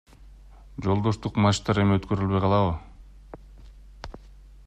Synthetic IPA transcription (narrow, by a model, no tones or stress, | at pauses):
d͡ʒo̞lˠd̪o̞ʃt̪uqmɑʃt̪ɑɾe̞miøt̪kø̞ɾylβø̞jqʰɑlˠɑvɯ